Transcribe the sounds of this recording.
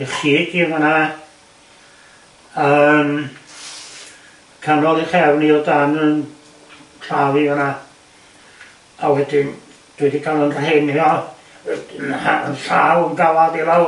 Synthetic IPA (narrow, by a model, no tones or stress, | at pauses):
iχiːɡiəməna | əm | kʰanɔlˠiχɛwniɔdanən | kʰɬaviəna | awɛdɪn | d̥wiɨdiɡalˠənr̥henjɔ | aə̰nɬawənɡaladilˠaw